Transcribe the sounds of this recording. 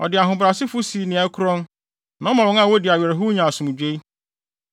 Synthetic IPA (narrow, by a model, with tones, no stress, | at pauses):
ɔ̰˨dɪ˨a˨ɦʊ̃˨bɾa˨sɪ˦fʊ˦si˨nɪ̃˨ɛ˦kʰʊ˦ɾɔ̃˦n | nã˨˦mã˨wɔ̃˦ŋã˦˨wo˦dɪ˨a˨ɥɛ˨ɾɦʊ˦ɲã˨sʊ̃˨m˨d͡ʑᶣe˦i˦